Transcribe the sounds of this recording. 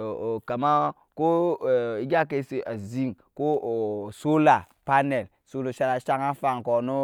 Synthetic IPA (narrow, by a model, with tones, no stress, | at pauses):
ka˨ma˦ | ko˦˨i˦ɡʲa˦ke˦si˨a˨zi˦ŋ | ko˦˨so˦la˨ | pa˦ne˨l | so˦lo˨ʃa˦ɾa˨˦ʃa˦ŋa˦fa˨ŋko˨no˦